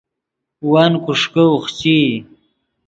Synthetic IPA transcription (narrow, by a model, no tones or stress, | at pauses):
wankuʂkəuχt͡ɕi